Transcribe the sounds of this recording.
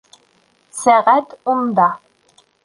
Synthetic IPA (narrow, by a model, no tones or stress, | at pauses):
sæʁæt̪und̪ɑ